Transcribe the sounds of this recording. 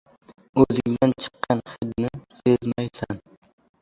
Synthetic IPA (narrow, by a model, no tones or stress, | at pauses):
ɵzɪŋd̪ant͡ʃʰɨ̥qːɑnχɪd̪nɪsezmajsan